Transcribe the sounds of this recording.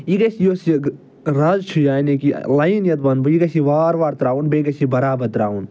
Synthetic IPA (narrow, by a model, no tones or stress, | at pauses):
iɡɐʃijoːsi | ɾɐzt͡ʃʰujaːjnẽkḭlainjɐt̪bɐnbuiɡɐʃiʋaːɾʋaːɾt̪ɾaːunbeɡɐʃibɐɾaːbɐɾt̪ɾaːun